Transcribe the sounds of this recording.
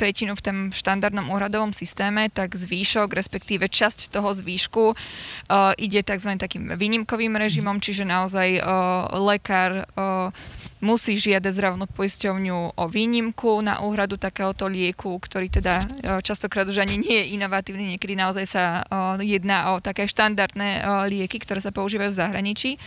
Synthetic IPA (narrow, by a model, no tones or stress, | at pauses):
t̪ɾɛcinuft̪ɔmʃt̪and̪aɾd̪nɔmuːɦɾad̪ɔʋɔmsist̪ɛːmɛt̪aɡzʋiːʃɔɡɾɛspɛkt̪iːʋɛt͡ʃasct̪ɔɦɔzʋiːʃku | ʔiɟɛt̪aɡzʋaɲɛt̪akiːmʋiːɲimkɔʋiːmɾɛʒimɔmt͡ʃiʒɛnaɔzajlɛkaːɾ | musiːʒɪad̪aɟzd̪ɾaʋnnuːpɔjiscɔʊɲuʔɔʋiːɲimkʰuna̰ʔuːɦɾad̪ut̪akɛːɦɔt̪ɔʎɪɛkukt̪ɔɾiːt̪ɛd̪at͡ʃast̪ɔkɾaːd̪uʒaɲiɲɪɛjɛʔinɔʋat̪iːʊniɲɪɛkɛd̪inaɔzajsajɛd̪naːʔɔt̪akɛːʃt̪and̪aɾd̪nɛʎɪɛkikt̪ɔɾɛːsapɔuʒiːʋajuvzaɦɾaɲit͡ʃiː